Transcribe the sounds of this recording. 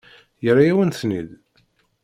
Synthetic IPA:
jəɾˤːajæwənθnið

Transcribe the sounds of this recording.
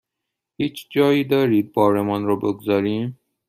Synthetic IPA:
hiːt͡ʃʰd͡ʒɒːiːd̪ɒɾiːd̪̚bɒːɾemɔnɾobeɡzɒɾiːm

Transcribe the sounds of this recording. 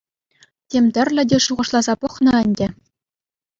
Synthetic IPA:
tʲemʲt̪ʲɘ̆rʲlʲɘ̆dʲeʂuʁɤ̆ʂlˠɑzɑpɤ̆χnɤ̆ɘ̆nʲdʲɘ̆

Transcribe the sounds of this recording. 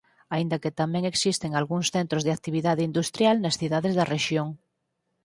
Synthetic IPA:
aind̪ɐket̪amɛ̃ŋeksist̪eŋalɣuŋsθent̪ɾozðeak̚t̪iβ̞iðaðeind̪ust̪ɾjalnɐsθiðaðezðɐreʃjoŋ

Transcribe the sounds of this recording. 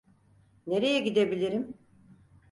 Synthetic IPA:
ne̞ɾe̞jɛɟid̪e̞bilʲiɾim

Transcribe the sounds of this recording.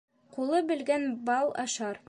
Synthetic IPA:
qulˠɤbɘ̆lɡænbɑlˠɑ̰ʃɑɾ

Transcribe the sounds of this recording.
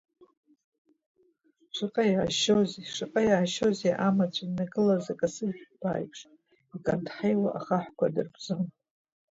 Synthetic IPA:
ʂɨqʼajaʕaʃoziʂɨqʼajaʕːʃoziʔamat͡ɕʷʰʼanaɡɨlazakʼasɨzʷᶣb̥a̰ːjʈ͡ʂʼ | ikʼantħajwaʔaχaħʷkʷʰadɨrɡʼzɨm

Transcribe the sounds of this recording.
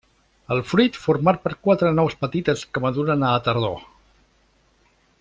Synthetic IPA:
əlˠfɾuit̪fuɾmaɾ̚pəɾkwat̪ɾənɔwspət̪it̪əskəməðuɾənəːt̪əɾðo

